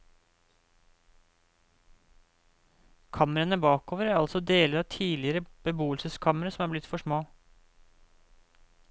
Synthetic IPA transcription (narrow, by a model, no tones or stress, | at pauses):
kʰɑməɾənəbɑːkoːʋəɾæɾɑlsɔd̪eːləɾɑːʋt̪ʰiːlɪəɾəb̥əbuːəlsəskʰɑməɾəsɔmæːblɪt̪fɔʂmoː